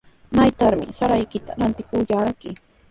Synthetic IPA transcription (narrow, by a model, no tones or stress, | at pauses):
majt̪aɾmɪ̰saɾajkɪt̪a̰ɾant̪ɪkʊjaɾakɪ